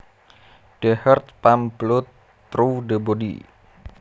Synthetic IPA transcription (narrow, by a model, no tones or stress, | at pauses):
ɖ̥əhərt̪̚pamblʊt̪ː | ɾuɖəbodḭ